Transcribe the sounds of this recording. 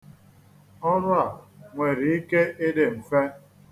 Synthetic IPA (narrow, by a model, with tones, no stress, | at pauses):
ɔ˦ɾʊ˦a˨ŋʷe˨ɾi˨i˦ke˦ʔe˦de˨m̩˨fe˦